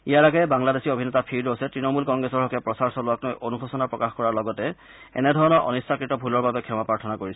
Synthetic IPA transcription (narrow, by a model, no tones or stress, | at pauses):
ijaɹaɡɛbaŋladesiobʱinɛtapʰiɹdosɛtɹinɔmulkɔŋɡɹɛsɔɹɦɔkɛpɹɔsaɹsɔlʊwaknojʔonuxʰusɔnapɹɔkaxkɔɹaɹlɔɡɔtɛ | ɛ̰nɛdʱɔɹɔnɔɹʔɔ̰nistakɹitɔbʱulɔɹbabɛkʰɛmapaɹtʰɔnakoɹisɛ